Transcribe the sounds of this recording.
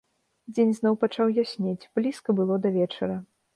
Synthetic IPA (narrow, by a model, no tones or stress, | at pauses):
d͡zʲenʲznɔwpat͡ʂawjasʲnʲet͡sʲb̥lʲiskɐbɨlˠɔd̪ɐvʲɛt͡ʂɐɾɐ